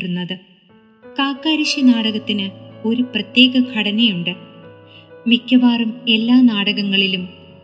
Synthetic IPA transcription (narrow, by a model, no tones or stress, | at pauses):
runːɐðɨ | kaːkːaːɾiɕɐnaːɽɐɣɐt̪ːinɨo̞ɾuprɐt̪je̞ːɡɐkʰɐɽɐnɐjuɳɖɨ | mikʲːɐʋaːrɐme̞lːaːnaːɽɐɣɐŋːɐɭilum